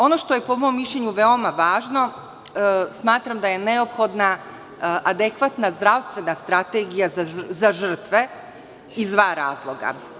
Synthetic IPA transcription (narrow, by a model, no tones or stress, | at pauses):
o̞no̞ʃt̪o̞je̞po̞mo̞mːiʃʎeɲuʋeo̞maʋaːʒno̞ | smaːt̪ɾamd̪aje̞ne̞opxo̞d̪na | ʔad̪e̞kʋat̪nazd̪ɾaʋst̪ʋe̞nast̪ɾat̪eɡijazazaʒr̩t̪ʋe̞ | izd̪ʋaːɾa̰ːzlˠo̞ɡa̰